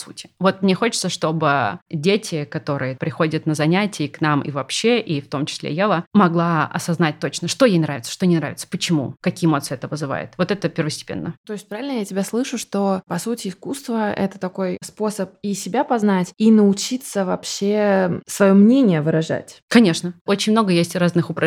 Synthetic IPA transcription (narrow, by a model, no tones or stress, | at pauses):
sṵtʲɪ̥vo̞t̪mnʲexo̞t͡ɕɪ̥t̪səʂt̪o̞bɨdʲetʲɪkɐt̪o̞ɾɨjəpɾʲɪxo̞dʲət̪nəzɐnʲætʲɪːknamḭvɐpɕːeʔift̪o̞mt͡ɕɪ̥sʲlʲḛjalˠəmɐɡlˠaɐ̰sɐznat̚ʲt̪o̞t͡ɕnəʂt̪ojejnɾavʲɪt̪sə̥ʂt̪o̞nʲɪnɾa̰vʲɪt̪sə̥pət͡ɕɪmṵkɐkʲiːɪmo̞t̪sɨɛt̪əvɨzɨva̰jɪ̰t̪vo̞t̪ɛt̪əpʲɪrvəsʲtʲɪ̥pʲḛnːət̪o̞ɪsʲt̚ʲpɾavʲɪlʲnəjatʲɪbʲaslˠɨʂʊʂt̪o̞pɐsutʲɪːskust̪vəɛ̰t̪ə̥t̪ɐko̞jspo̞səp̚isʲɪbʲapɐznatʲinəʊt͡ɕit̪səvɐpɕesvɐjo̞mnʲenʲɪjəvɨɾɐʐa̰tʲkɐnʲe̞ʂnəo̞t͡ɕɪnʲmno̞ɡəjesʲtʲraznɨxʊpɾɐ